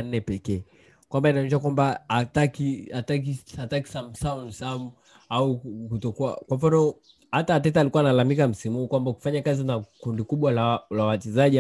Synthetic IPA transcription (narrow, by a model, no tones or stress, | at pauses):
n̩nɛpɛkɛ | kwambainaɔnɛʃ̬akwambaatakiatakiataki̥sam̩saunsamu | aukutɔkua̰kwamfanɔ | hataːt̬ɛtalikuanalamikam̩simuukwambaku̥faɲakazinakundikuɓwalalaaat͡ʃɛzaʄi